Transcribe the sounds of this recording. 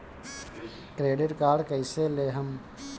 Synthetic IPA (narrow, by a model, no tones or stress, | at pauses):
kɾeːɖɪʈkaːɾɖkəɪseleːɦəm